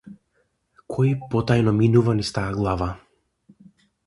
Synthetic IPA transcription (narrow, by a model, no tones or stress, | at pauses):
kʰɔjipɔt̪ajnɔminuvanist̪aaɡlˠava